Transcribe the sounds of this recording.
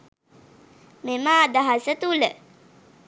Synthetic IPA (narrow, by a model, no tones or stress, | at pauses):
meməːd̪aɦasət̪ulə